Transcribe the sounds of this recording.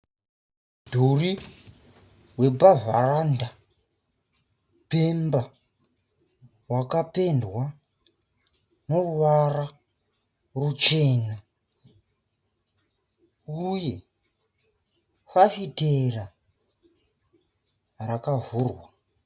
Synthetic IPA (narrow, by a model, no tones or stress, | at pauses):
dʱuri | we̞bavaranda | pemba | wakape̞ndwa | noruwara | rut͡ʃe̞ːna | uje̞ | fafitera | rakavurwa